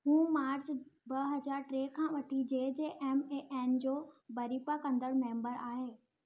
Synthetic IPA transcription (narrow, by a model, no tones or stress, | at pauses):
ɦũːmaːɾt͡ɕbɐɦɐd͡ʑaːɾʈɾeːkʰãːʋɐʈʰid͡ʑeːd͡ʑeːʔɛːmeʔɛːnd͡ʑoːbɐɾipakɐ̃nd̪əɽmẽːmbəɾaːɦeː